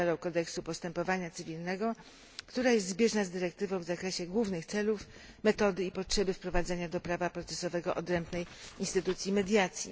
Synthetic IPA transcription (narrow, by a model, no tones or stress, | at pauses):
aɾɔ̃w̃kɔd̪ɛksupɔst̪ɛmpɔvaɲat̪sɘvʲilnɛɡɔ | kt̪uɾajɛst̪zbʲjɛʐnazd̪ɘɾɛk̚t̪ɘvɔ̃w̃vzakɾɛɕɛɡwuvnɘxt̪sɛluf | mɛt̪ɔd̪ɘipɔtʂɛbɘfpɾɔvad̪zɛɲad̪ɔpɾavapɾɔt̪sɛsɔvɛɡɔʔɔd̪ɾɛmbnɛjinst̪ɘt̪ut̪sʲjimɛd̪ʲjat̪sʲjḭ